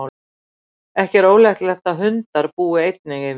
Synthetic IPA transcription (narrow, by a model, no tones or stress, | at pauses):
w | ɛhcɛɾoːwlɛxt̪lɛht̪aɦʏnt̪aɾpuːɪejt̪̚nɪɣɪ